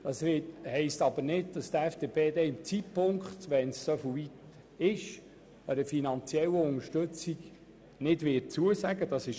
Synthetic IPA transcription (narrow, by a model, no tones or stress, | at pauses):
d̥ɑsʋɪthɛɪstɑbənɪd̚d̥ɑst̪ɛfd̥epeːdɛɪmt͡sitpʊŋkχt̪ʋɛnsːofvit | ɪʃ | əɾəfinɑnt͡sjɛləʊŋəʃtɵt͡siɡ | nɪdʋɪt̚t͡suəsæɡəd̥ɑsɪʃ